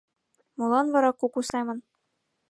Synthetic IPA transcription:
molˠɑnvɑɾɑqukusɑjmɤ̆n

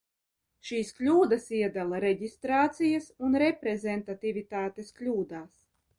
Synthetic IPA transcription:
ʃiːsklʲuːd̪asiɛd̪alˠaɾɛɟist̪ɾaːt̪sijasunɾɛpɾɛzɛnt̪at̪ivʲit̪aːt̪esklʲuːd̪aːs

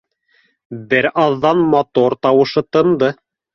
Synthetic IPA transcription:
bɘɾɑðːɑnmɑt̪oɾt̪ɑwɤ̆ʃɤt̪ɤ̆nd̪ɤ

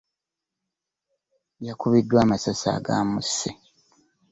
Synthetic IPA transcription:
jakuβidːwaːmasasa̰ːɡa̰ːmusːe

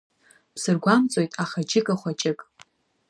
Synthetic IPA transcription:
pʰsɨrɡʷamt͡sʼo̞jtʼaχad͡ʒʼɪkʼaχʷat͡ʃʼɪkʼ

